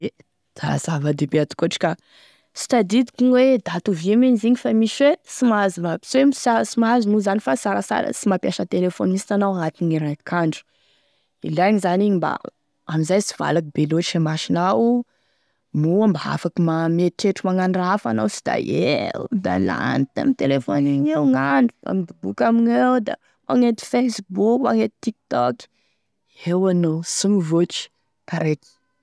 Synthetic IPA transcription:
e | d̪̥a̰z̥avad̪ebeat̪u̥koaʈ͡ʂi̥ka | si̥t̪ad̪id̪ikʲiŋwed̪at̪uvieminiziɲifamiʃwesimazinapi̥semsasimazimuzanifasaɾasa̰ɾə̰simapjaʃət̪elefonimisinanawat̪iɲiɾakʰaɳɖ͡ʐu̥ | ḭlaɲizaniɲiba̰ | amizajsi̥v̥a̰lakbeloemaʃinau | muambaa̰fakimameʈ͡ʂeʈ͡ʂumaŋanɖ͡ʐafa̰na̰wsi̥d̪̥a̰ed̪a̰la̰nt̪a̰mit̪elefoneɲewŋaɳɖ͡ʐua̰mid̪ibukamiɲewd̪a̰ | mʔaŋet̪i̥fesbukmaŋet̪i̥t̪ik̚t̪ɔk | ewanosuŋvoʈ͡ʂi̥ | kaɾek̪i̥

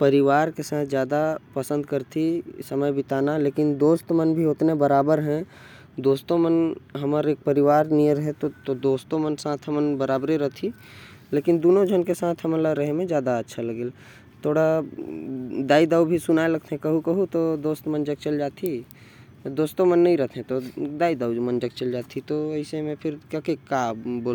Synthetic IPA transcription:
pəɾɪʋaːɾkesãːt̪ʰzjaːd̪apəsə̃nd̪kəɾt̪ʰisəməjbʱit̪aːnaleːkɪnd̪oːst̪mənbʱiʊt̪nebəɾaːbəɾɦɛ̃ | d̪oːst̪õmənɦɐməɾeːk̚pəɾɪʋaːɾniəɾəɦet̪ot̪od̪oːst̪õmənsãːt̪ʰɦəmənbəɾaːbɾeɾəɦt̪ʰi | leːkɪnd̪oːnõd͡ʒʱənkesãːt̪ʰɦəmənləɾəɦemẽd͡ʒjaːd̪aətːʃʰaləɡeːl | t̪ʰoːɽa | d̪aːid̪aːubʱisʊnaːeləɡ̚t̪ʰɦɛ̃kəɦukəɦut̪od̪oːst̪mənd͡ʒək̚t͡ʃəld͡ʒaːt̪ʰi | d̪oːst̪omənːəɦĩɾəɦt̪ʰɦɛ̃t̪od̪aːid̪aːwmənd͡ʒək̚t͡ʃəld͡ʒaːt̪ʰit̪oəɪsemẽpʰɪɾkəkekaboːl

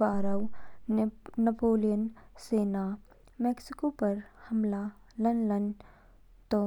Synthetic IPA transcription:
baːɾəw | ɐpoːlijənseːna | mɛːksɪkopɐɾhɐmla | lɐnlən | t̪o

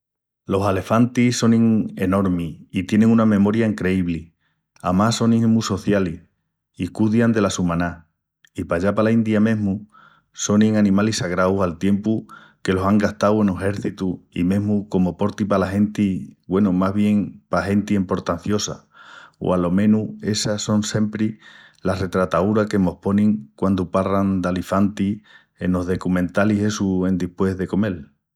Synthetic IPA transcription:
lo̞sale̞fant̪iso̞nĩŋe̞no̞ɾmiit̪je̞nẽŋunamẽ̞mo̞ɾjaiŋkɾe̞iβli | a̰maso̞nĩmuso̞θjali | ikuðjand̪e̞lasumãna | ipaʎapalaind̪jamẽ̞ɦmu | so̞nĩŋanĩmalisaɣɾawsalt̪je̞mpu | ke̞lo̞saŋɡaht̪awe̞nuhe̞ɾθit̪uḭmẽ̞ɦmuko̞mopo̞ɾt̪ipalaɦe̞nt̪iɡwe̞numaɦβje̞ŋpaɦe̞nt̪iempo̞ɾt̪an̟θjo̞sa̰ | o̰alo̞mẽ̞nue̞saso̞nse̞mpɾilahre̞t̪ɾat̪auɾake̞mo̞hpo̞nĩŋkwand̪uparand̪alifant̪i | e̞no̞ɦðe̞kumẽnt̪alise̞suẽ̞nd̪ihpwe̞ɦðe̞ko̞me̞l

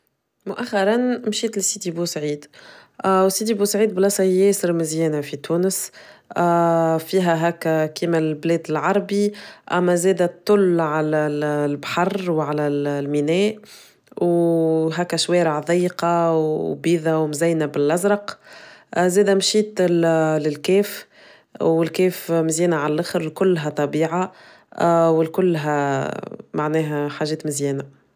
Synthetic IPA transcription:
mʊʔæxːɑɾˤɑnmʃiːt̪lsiːt̪ibusʕiːd̪ | wsiːt̪̬ibuːsʕiːd̪̚blɑsɑjɛːsɪɾmɪzjɛːnæfit̪uːnəs | fiːɦæɦæːkːkiːmælblɛːd̪ɪlʕɑɾˤbiʔæmːæzɛːd̪æt̪ˤːʊlʕalælbħɑrˤwʕalælminɛːʔ | wɦæːkæʃwɛːɾəʕðˤɑjːqɑwbiːðæwmzæjnæbɪlʔæzɾˤɑq | zɛːd̪æmʃiːt̪lɪlkɛːf | wɪlkɛːfmɪzjɛːnaʕalælʔɪxɾlkʊlːɦæt̪ˤɑbiːʕa | wɪlkʊlːɦæ | maʕnɛːɦæħaːʒɛːt̪mɪzjɛːnaæ

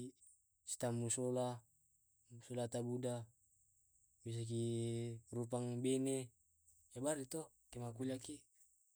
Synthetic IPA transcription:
si̥t̪amːusola | solat̪abuda | bis̬ak̬i | rup̬aŋbene | jabaɾit̪ɔ | kemakulaki

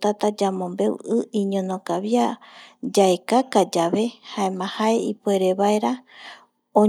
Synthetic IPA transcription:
t̪at̪ad͡ʒamõ̞mbe̞wɨĩɲõnokaβjad͡ʒaekakad͡ʒaβe̞haẽmãhaeipoe̞ɾeβaeɾa | õ

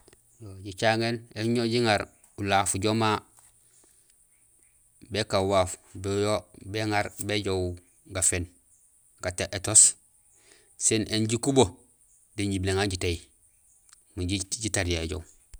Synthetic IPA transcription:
joɟit͡ʃaŋeneɲoɟiŋaɾ | ulafuɟoma | bekawaːfbejobeŋaɾbeɟow | ɡafen | kataʔetos | senʔenɟikubo | diɲɟibleŋaɲɟitaji | muɟiɟitaɾjaɟo̰w

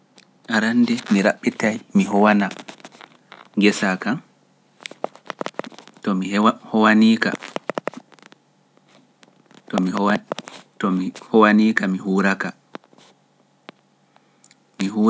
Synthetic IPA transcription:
ʔaɾandɛmiɾaɓːitajmiɦɔwana | ŋɡɛsakan | tɔmihɔwaniːka̰ | tɔmi | tɔmihɔwaniːkamiɦuːɾaka | miɦuː

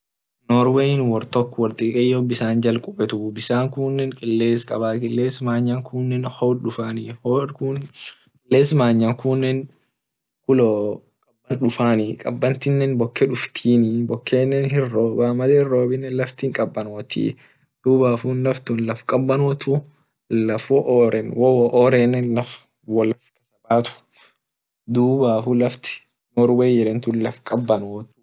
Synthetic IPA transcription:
nɔːɾweɪnwɔɾt̪ɔkːwɐɾt̪ʼiːkʼɛjːobɪsaːnd͡ʒɐlkʼʊbɛt̪ʊbɪsaːŋkʊnːɛŋkʼɪlːeːskʼɐbaːkɪlːeːsmaːɲːɐŋkʰʊnːɛnhoːɗʊfaːnihokʊnkʼɪlːeːsmaːɲːaŋkʊnːɛn | kʊlɔ | kʼɐbːɐnᶑʊfaːnɪkʼɐ̰bːɐnt̪ɪnːɛnbɔkːɛᶑʊft̪ʰiːnibɔkʰːeːnːɛnhɪrːoːbaːmɐlɛːhɪrːoːbɪnːɛlɐft̪iːŋkʼɐbːɐnoːt̪ḭ | d̪̥uːbaːfunlɐft̪ʊnlɐfkʼɐbːɐnot̪u | lɐfwɔʔoːɾɛnwɔwɔʔɔːɾɛːnːɛnlɐf | wɔlɐfkɐsɐbaːt̪ʊ̥ | d̪uːbaːfulɐft̪ɪ̥ | nɔɾweːjɛɾɛnt̪ʊnlɐfkʼɐbːɐnoːt̪ː

